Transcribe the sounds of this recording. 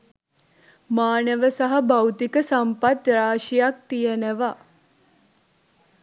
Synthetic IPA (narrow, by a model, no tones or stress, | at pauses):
maːnəʋəsaɦɐbawt̪ikəsampat̪ɾaːʃijak̚t̪ijənəʋa